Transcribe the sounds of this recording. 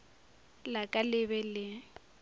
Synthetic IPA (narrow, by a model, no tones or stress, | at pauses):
lakʼalɪβɛlɪ